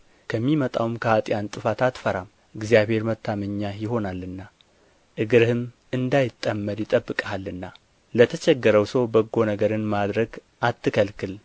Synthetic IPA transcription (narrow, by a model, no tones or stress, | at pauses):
kʰəmːimət̪ʼawmkʰəat̪ʼɪjant̪ʼɨfat̪at̪fəɾam | ʔɨɡzijaβhe̞ɾmət̪ʰːaməɲːajɪɦo̞nalɨnːa | ʔɨɡɨɾɨhɨm | ɨnd̪ajɪt̪ʼːəmːəɾjɪt̪ʼəbːɨkʼalːɨnːa | lət̪ʰət͡ʃɛɡːəɾəwsəwbəɡːo̞nəɡəɾɨnmad̪ɾəɡ | ʔat̪ːɨkʰəlkʰɨl